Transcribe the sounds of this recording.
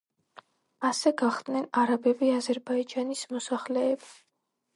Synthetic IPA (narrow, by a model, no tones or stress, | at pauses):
asɛɡaχd̪̥nɛnaɾabɛbiazɛɾbaid͡ʒanismɔsaχlɛːbi